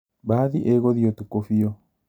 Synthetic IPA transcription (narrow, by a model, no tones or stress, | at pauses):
baːðiʔeɣoðiɔtukofiɔ